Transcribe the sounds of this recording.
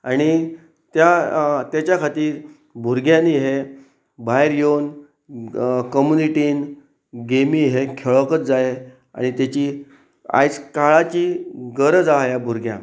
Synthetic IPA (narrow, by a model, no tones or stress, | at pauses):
aɽ̃i | t̪jat̪jat͡ɕjakʰat̪iːɾ | bʱuɾɡjãniɦe | bʱaɦeɾjon | kəmjuniʈiːn | ɡemiɦekʰeɭəkət͡sd͡zae | a̰ɽ̃it̪jat͡ɕiː | a̰jt͡skaɭat͡ɕiːɡəɾəd͡zajabʱuɾɡjã̰